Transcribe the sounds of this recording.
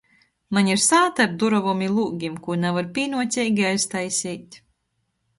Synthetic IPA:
maɲiɾsaːt̪aɾd̪uɾɔvɔmʲilˠuːɡʲimkunɛvaɾpʲiːnuɔsʲɛːjɡʲiajst̪ajsʲiːt̪ʲ

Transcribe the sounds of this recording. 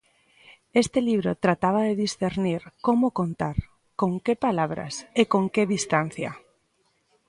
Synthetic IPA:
est̪ɪliβɾot̪ɾat̪aβ̞aðeðisθeɾniɾkomokont̪aɾ | koŋkepalaβɾɐ̰sekoŋkeðist̪an̟θja̰

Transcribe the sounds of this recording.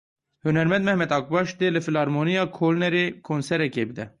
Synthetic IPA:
hynɛɾmɛnd̪̚mɛhmɛd̪ɑk̚bɑʃd̪elɨfilɑɾmonijɑːkʰolnɛɾekʰonsɛɾɛkebid̪ɛ

